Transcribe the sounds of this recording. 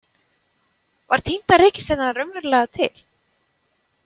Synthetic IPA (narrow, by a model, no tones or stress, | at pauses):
vaɾ̥t̪ʰint̪aɾɛhcɪ̥st̪ɛnaɾœmvɛɾlɛɣat̪ʰɪ̰l̥